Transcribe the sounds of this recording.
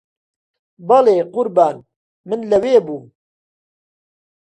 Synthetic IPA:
bɐleːqʊɾbaːn | mɨnlɐweːbuː

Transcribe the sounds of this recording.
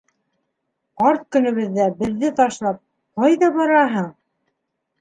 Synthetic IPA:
ɑɾt̪̚kɵ̆nɵ̆βɘ̆ðːæbɘ̆ðːɘt̪ɑʃlˠɑp̚ | qɑjðɑbɑɾɑɦɤɴ

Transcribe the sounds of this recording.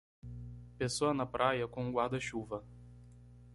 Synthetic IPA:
pʲesuɐnɐpɾʔajɐkɔŋɡwaːd̪ɐʃʲuːvɐ

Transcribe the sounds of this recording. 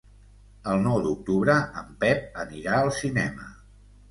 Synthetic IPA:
əlˠnɔwd̪uk̚t̪uβɾəəmpɛp̚əniɾaəlˠsinɛmə̰

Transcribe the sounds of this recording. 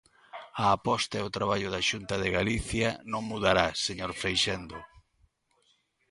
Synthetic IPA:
aːpɔst̪ɐɛʊt̪ɾaβ̞aʎʊðaʃunt̪ɐðeɣaliθjɐnõŋmuðaɾaseɲoɾfejʃend̪o

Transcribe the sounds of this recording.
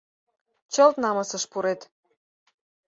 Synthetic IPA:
t͡ɕɤlt̪nɑmɤsəʃpuɾet̪

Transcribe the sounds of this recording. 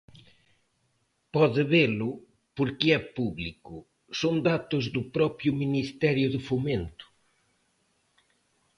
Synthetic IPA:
pɔðɪβelʊ | poɾkɪɛpuβlikʊ | soŋd̪at̪ʊzðʊpɾɔpɾjʊminist̪ɛɾjʊðɪfoment̪ʊ̥

